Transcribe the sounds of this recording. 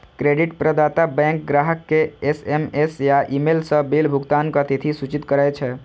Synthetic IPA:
kɾeɖiʈpɾəd̪at̪abɛ̃ŋkɡɾaɦəkːeesemesjaʔimelsəbelbʱuɡt̪ankət̪it̪ʰisut͡ʃit̪kəɾajt͡ʃʰɛ

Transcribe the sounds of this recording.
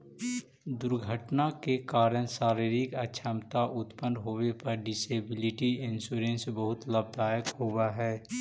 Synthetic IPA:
d̪ʊɾɡʱəʈnakekaːɾəñsaːɾiɾikətːʃʰəmt̪aʔʊt̪pənd̪ɦoːwepɐɾɖɪseːbɪlɪʈiɪnsuːɾẽːnsbəɦʊt̪ləbd̪aːjəkɦoɡaɦɛː

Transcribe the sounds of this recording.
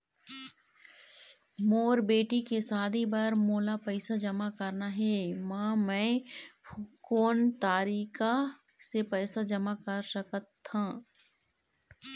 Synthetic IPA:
moːɾbeːʈikesaːd̪ʱibɐɾmoːlapəɪsad͡ʒɐmakɐɾnaɦɛmãːmɛ̃ː | koːnt̪aːɾiːka | sepəːsad͡ʒɐmakəɾsɐkət̪ːãː

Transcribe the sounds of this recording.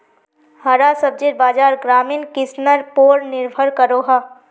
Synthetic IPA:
hɐɾaːsəb̚d͡ʒeɾbaːd͡ʒaːɾɡɾaːminkɪsnəɾpoːɾnɪɾbʱəɾkəɾoːɦaː

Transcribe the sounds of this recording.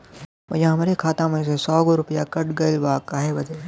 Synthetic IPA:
ɐ̰jãɦɐmːɾekʰaːt̪ãmẽsesɔːɡoɾʊpjakɐʈɡɐɪlbaːkːaːɦebɐd͡ʒeː

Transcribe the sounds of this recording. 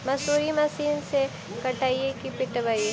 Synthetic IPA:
mɐsuːɾimɐsiːnse | kɐʈaːiekipɪʈbaie

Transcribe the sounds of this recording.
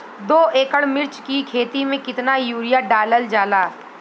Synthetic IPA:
d̪oːʔeːkəɽmɪɾt͡ʃkikʰeːt̪imẽkɪt̪najuːɾijaɖaːləld͡ʒaːlaː

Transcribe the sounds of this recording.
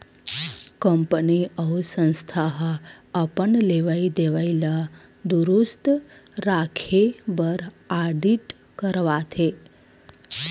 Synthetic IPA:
kəmpəniʔəɦusə̃ñst̪ʰaɦəː | pəɳleʋaid̪eʋaila | d̪uɾust̪ | ɾakʰebəɾ | aɖiʈ | kəɾʋat̪ʰe

